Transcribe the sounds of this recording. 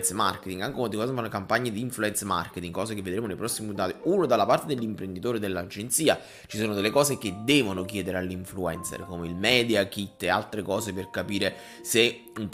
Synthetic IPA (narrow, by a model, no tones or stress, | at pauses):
nt̪sma̰rket̪iŋɡaŋkekwant̪ikɔzefanːokampaɲːed̪iːɱfluɛnt̪sma̰rket̪iŋkɔːz̬ekevːed̪ɾeːmonejpɾɔsːimiut̪aːt̪iuːnod̪alːapart̪ed̪elːimpɾend̪it̪oːɾed̪elːad͡ʒent̪siːa | t͡ʃisoːnod̪elːekɔːzeked̪ːɛːvonok̬jɛːd̪eɾealːiɱfluɛnt̪sḛrkomeilmɛːd̪jakit̪ːea̰lt̪ɾekɔːseperkapiːɾe | se | ump